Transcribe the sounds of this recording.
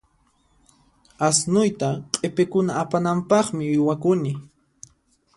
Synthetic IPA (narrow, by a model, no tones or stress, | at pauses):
asnʊjt̪aqʼepɪkʊnaːpanampɑχmɪʊjwakʊnɪ